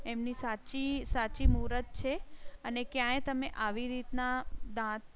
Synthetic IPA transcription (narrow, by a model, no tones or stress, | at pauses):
emnisat͡ʃisat͡ʃimuɾət̪̚t͡ʃʰeənekjãet̪əmeʔaʋiɾit̪nad̪ãt̪̚